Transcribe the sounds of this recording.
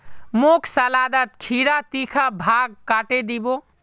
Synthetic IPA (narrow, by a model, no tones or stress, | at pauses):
mokʰsəlad̪ət̪kʰiɾat̪ikʰabʱaɡ̚kaʈed̪ibo